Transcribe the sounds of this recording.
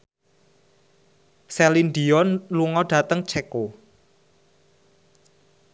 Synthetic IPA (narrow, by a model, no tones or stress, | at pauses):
sɛlind̪iɔnluŋɔɖ̥ä̤t̪əŋt͡ʃʰɛko